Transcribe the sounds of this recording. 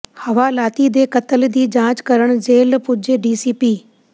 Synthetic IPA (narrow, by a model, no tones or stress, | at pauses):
hɐʋaːlaːt̪id̪eːkɐt̪əld̪iːd͡ʑãːt͡ɕkɐɾəɽ̃d͡ʑeːlpʊd͡ʒeɖiːsiːpiː